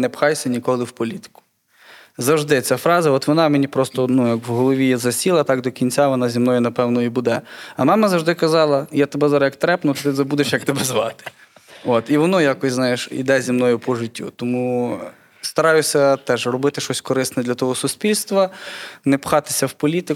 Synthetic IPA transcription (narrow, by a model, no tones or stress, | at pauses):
nɛpxɑjsʲɐnʲikɔlˠɪwpɔlʲit̪ɪ̥kʊ̥ | zɐwʒd̪ɪt͡sʲafɾɑzɐɔt̪ʋɔnɑmenʲipɾɔst̪ɔnujɐkwɦɔlˠɔʋʲijɛzɐsʲilˠɐt̪ɑkd̪ɔkʲinʲt͡sʲaʋɔnɑzʲimnɔjʊnɐpɛwnɔibud̪ɛɐmɑmɐzɐwʒd̪ɪkɐzɑlˠɐjat̪ebɛzaɾjɐkt̪ɾɛpnʊt̪t̪ɪzɐbud̪eʃjɐk̚t̪ebɛzʋɑt̪ɪ̥ | ot̪iʋɔnɔjakɔsʲznɑjeʃḭd̪ɛzʲimnɔjʊpɔʒɪtʲːṵt̪ɔmu | st̪ɐɾɑjʊsʲɐt̪ɛʒrɔbɪt̪ɪʃɔsʲkɔɾɪsnɛd̪lʲɐt̪ɔɦɔsʊsʲpʲilʲst̪ʋɐnɛpxɑt̪ɪ̥sʲɐwpɔlʲit̪ɪ